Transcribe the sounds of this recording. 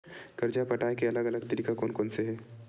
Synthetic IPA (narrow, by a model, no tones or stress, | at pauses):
ɡ̥ɐɾd͡ʒapɐʈaːekeɐləɡɐləɡt̪əɾiːkakoːnkoːnseɦɛː